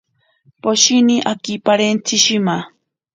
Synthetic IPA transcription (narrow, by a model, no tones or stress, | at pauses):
poʃiniʔakipaɾent͡sɪʃima